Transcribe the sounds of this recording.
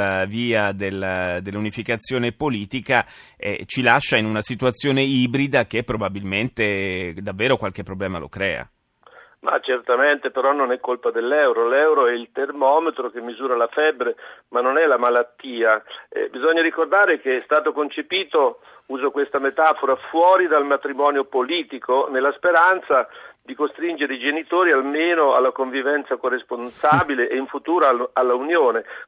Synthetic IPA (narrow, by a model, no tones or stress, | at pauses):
aviːad̪elːad̪elːunifikat̪sːjoːnepoliːt̪ika | ɛ̰t͡ʃilaʃːainunasit̪wat̪sːjoːneiːbɾid̪ak̟epːɾobabilment̪ed̪avːeːɾokwalk̟epːɾoblɛːmalʔo̰kɾɛ̰ːa̰ | ma̰t͡ʃert̪ament̪epeɾɔnːonɛkːolpad̪elːɛwɾolɛwɾoɛilt̪ermɔːmet̪ɾok̟emːizuːɾalafɛbːɾemanːonɛlamalat̪ːiːaɛ̰bizɔɲːaɾikord̪aːɾek̟eɛst̪aːt̪okont͡ʃepiːt̪o | uːzokwest̪amet̪aːfoɾafwɔːɾid̪almat̪ɾimɔːnjopoliːt̪ikonelːaspeɾant̪sad̪ikost̪ɾind͡ʒeɾeid͡ʒenit̪oːɾialmeːnoa̰lːakoɱvivɛnt̪sakorːesponsaːbileʔeiɱfut̪uːɾoalːaunjoːne